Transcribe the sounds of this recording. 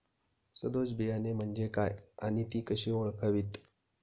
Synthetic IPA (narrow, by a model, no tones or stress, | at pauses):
səd̪od͡zbijanem̤əɳd͡ʑekaja̰ɽ̃it̪iːkəɕiːoɭkʰəʋiːt̪